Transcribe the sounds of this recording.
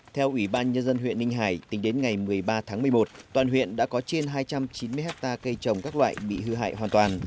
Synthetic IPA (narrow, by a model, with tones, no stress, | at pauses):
t̪ʰɛ˧wʔwi˧˩ɓaː˧nɲə˧nzə˧nɦwḭ˧˨ənːi˧ŋ̟ɦaː˧˩jt̪ï˨˦ŋɗe˨˦nŋa˨˩jmɨ˨˩əjɓaː˧t̪ʰaː˨˦ŋmɨ˨˩əjmo˨˩t̚t̪waː˨˩nɦwḭ˧˨ənɗa̰ː˧˥kɔ˨˦t͡ɕe˧nɦaː˧jt͡ɕa˧mt͡ɕi˨˦nmɨ˧jɦɛ˦˥k̚t̪aː˧kə˧jt͡ɕə˨˩wŋ͡mkaː˦˥k̚lwa̰ː˧˨jɓḭ˧˨ɦɨ˧ɦa̰ː˧˨jɦwaː˨˩nt̪waː˨˩n